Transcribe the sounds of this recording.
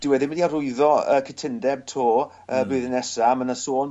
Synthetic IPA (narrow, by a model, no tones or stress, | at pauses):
d̥ɪwɛðɪnməndiarʊɨðɔə̰kʰətʰɪndɛb̚tʰoː | əːbɨːðənɛsamənasoːlˠ